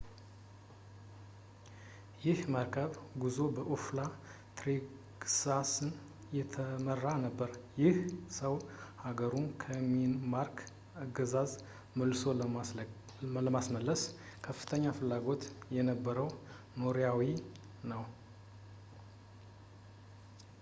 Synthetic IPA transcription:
jɪhməɾkʰəβɡuzo̞bəʔofla | t̪ɾi | ɡsasɨn | jɛt̪ʰəmərːanəbːəɾjɪhsəwhaɡəɾumkʰəminmaɾkʰ | aɡəzaz | məlɨso̞ | ləmasməlːəskʰəfːɨ̥t̪ʰəɲːafɨlːaɡo̞t̪jɛnəbːəɾəw | noɾjawi | nəw

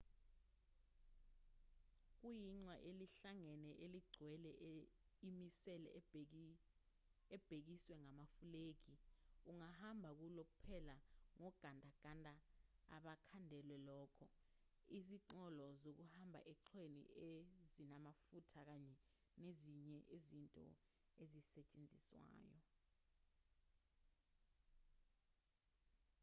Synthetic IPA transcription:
k̬ujiŋ͡ǀwaʔeliɬaŋɛnɛʔeliɡ͡ǀʱwɛlɛ | imisɛlɛ̰ | ɛb̥ʱek̬iswɛŋamafuleːk̬iuŋahambʱak̬ulok̬upʰɛlaŋɔɡ̥ʱandʱaɡ̥ʱandʱʼa | a̰ɓakʰandʱɛlwɛlɔːkʰɔ | iziǀɔlɔzok̬uhambʱa̰ʔɛǁʰenḭezinamafutʰak̬aɲɛ | neziɲɛʔezintʼɔ̰ | ezisɛt͡ʃʼend͡zʱiswa̰ːjɔ

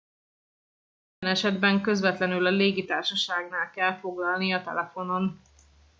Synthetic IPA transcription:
i | ɛnɛʃɛd̪bɛŋkø̞zvɛt̪lɛnylɒleːɡit̪aːrʃɒʃaːɡnaːlkɛlfo̞ɡlɒlniɒt̪ɛ̰lɛfo̞no̞n

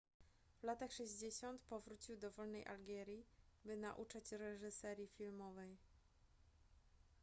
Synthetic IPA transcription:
vlat̪axʂɛʑd͡ʑeɕɔnt̪pɔvɾut͡ɕiwd̪ɔvɔlnɛjʔa̰lɡɛɾʲjibɘna̰ʔut͡ʂat͡ɕɾɛʐɘsɛɾʲjifʲilmɔvɛj

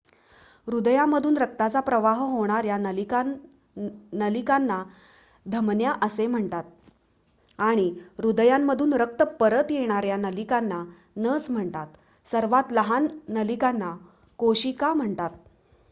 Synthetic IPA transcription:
ɾud̪əjamːəd̪ʱuːnɾək̚t̪at͡sapɾəʋaɦɦoɽ̃aɾja | nəlikanːa | d̪ʱəmnjaʔəsem̤əɳt̪at̪̚ | aɽ̃iɾud̪əjamːəd̪ʱuːnɾək̚t̪əpəɾət̪jeɽ̃aɾjanəlikanːa | nəd͡zm̤əɳt̪at̪ | səɾʋat̪ləɦanːəlikanːa | koɕikam̤əɳt̪at̪

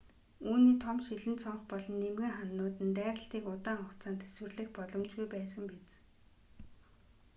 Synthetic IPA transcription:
uːniːt̪ʰɔmʃiɮɘ̆nt̪sɔɴχpɔɮɞ̆nːemɣɘ̆ŋχanːʊːt̪ɘ̆nt̪æːɾə̆ɬt̪iːkʊt̪aːŋɔkt͡saːnt̪ʰæ̥swɘ̆rɮɘ̆xpɔɮɞ̆mt͡ɕɡujpæːsə̆mpet͡s

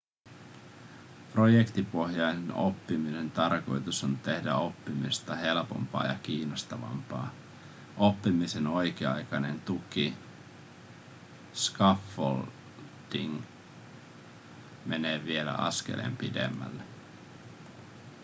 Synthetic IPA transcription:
pro̞jekt̪ipo̞hjɑjneno̞pːimine̞nt̪ɑrko̞jt̪uso̞nt̪e̞hdæo̞pːimist̪ɑɦe̞lpo̞mpɑ̰ːjɑk̟iːnost̪ɑʋɑ̰mpɑ̰ː | o̞pːimise̞no̞jk̟eɑ̰jkɑne̞nt̪uki | skɑfːol | d̥iŋ | me̞ne̞ːʋie̞læ̰ʔɑ̰skḛlʔḛmpidḛmːæ̰lːe

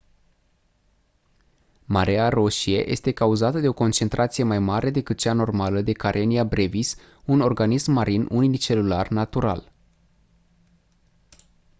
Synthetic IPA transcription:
maɾearo̞ʃie̞̰jʔe̞st̪e̞kauzat̪əd̪e̞o̞ko̞nt͡ʃe̞nt̪ɾʔat̪sije̞majmaɾe̞d̪e̞kɨt̪̚t͡ʃano̞rmaləd̪e̞kaɾʔeniabɾe̞vis | uno̞rɡanismːaɾinuniit͡ʃe̞lularnat̪uɾa̰l

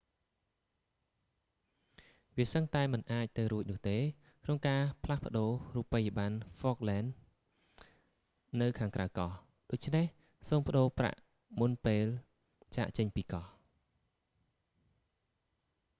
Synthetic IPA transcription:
ʋiəsəŋt̪aɛmɨnʔaːc̚t̪ɨwɾuəc̚nʊ̆əht̪eː | kʰnoŋkaːpʰlahpə̆ɗoːruːpːəjəɓanfɔːk̚lɛːn | ɨwkʰaːŋkrawkɑh | ɗoːc̚t͡ɕʰneh | soːmpə̆ɗoːpra̰ʔ | munpeːl | t͡ɕa̰ːʔt͡ɕəɲpiːkɑh

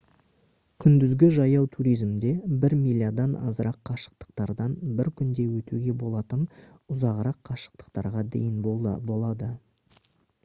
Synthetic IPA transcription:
kʲʰʏnd̪ɪzɡʲɪʒɑjɑwt̪ʰuɾijzmd̪e̞bɪɾmilʲːjad̪ɑnɑ̰zəɾɑqʰːɑʃə̥q̚t̪ə̥q̚t̪ɑɾd̪ɑnbɪɾkʲʰʏnd̪e̞wɵt̪uɡʲe̞bo̞lˠɑt̪ənʊzɑʁəɾɑqʰːɑʃə̥q̚t̪ə̥qt̪ɑɾʁɑd̪ḛjɪnbo̞lˠɑd̪ə

